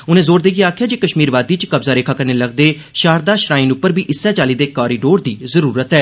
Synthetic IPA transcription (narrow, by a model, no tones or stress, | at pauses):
ʊnẽːzoːɾd̪eːɡiaːkʰɪjaːd͡ʒeːkəʃmiːɾʋaːd̪iːt͡ʃkəbzaːɾeːkʰaːkəɾneːləɡ̚d̪eː | ʃaːɾd̪aːʃɾaːĩːnʊpːəɾbiːʔɪsːɛːt͡ʃaːliːd̪eːkaːɾiːɖoːɾd̪iːzəɾuːɾət̪ɦɛː